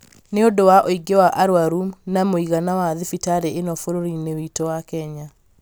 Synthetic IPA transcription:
neodowaʔoiɡewaʔaɾwaɾumnamoiɣanawaðifitaɾeʔenɔfoɾoɾinewitowakɛɲa

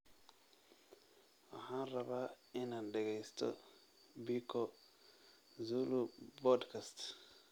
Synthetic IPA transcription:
wɐ̰haːnrɐβaː | ɪnaɖɛɣɛjst̪ʰɔ̰ | bikʰɔ | zulubɔd̪kʰast̪

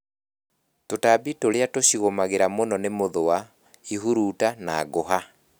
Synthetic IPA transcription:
totabitoɾeatoɕiɣomaɣeɾamonɔnemoðoa | iɦuɾuːtanaːɣoɦa

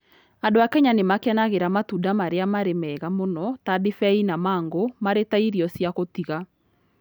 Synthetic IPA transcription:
andoakɛɲanemakeɛnaɣeɾamatudamaɾeamaɾemɛɣamonɔtadifɛinamaːŋɡomaɾetaiɾiɔsjakotiɣa

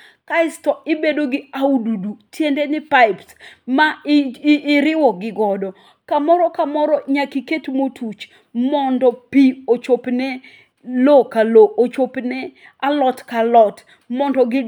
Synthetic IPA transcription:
kaɪstɔɪbedoɡɪaududutjendɛnɪpaɪpsmaː | ɾɪwɔɡɪɡɔdɔ | kamɔɾɔkamɔɾɔɲakiketmotʰut͡ʃ | mɔndɔpiot͡ʃopnɛ | lokaloʔot͡ʃopnɛ | alɔtkalɔt | mɔndɔɡɪ

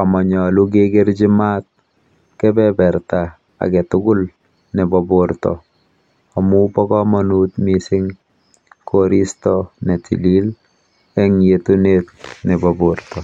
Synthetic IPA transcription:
amɔɲɔluk̬eɡeɾd͡ʒɪmat̪̚ | kɛbɛbɛɾta | a̰kɛtʊɡʊl | nɛbɔboɾtɔ̰ | ɔmupɔkɔmɔnuːt̪misɪŋ | kʰoɾistɔnetḭlil | ɛŋjetunet̚nɛbɔbortɔ

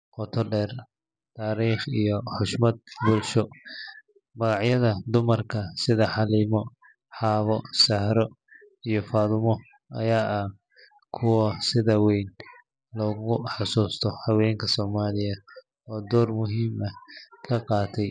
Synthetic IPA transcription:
qɔt̪ʰɔɖɛːr | t̪ʰaːɾiːχijɔħʊʃmɐd̪̚bʊlʃɔ | mɐɣɑʕjɐðɐd̪ʊmɐrkʰɐsɪðɐħɑliːmɔ | ħɑːβɔsɐhɾɔ | ijɞfaːðʊmɔ | ɐ̰jaːʔɐh | kʰʊwɐsɪðɐwɛjn | lɔːɣʊħɑsuːst̪ʰɔhɐwɛːŋkʰɐsɔːmaːlɪjɐ | ɔːd̪ɔːrmʊɦiːmɐhkʰɐqɑːt̪ʰɛj

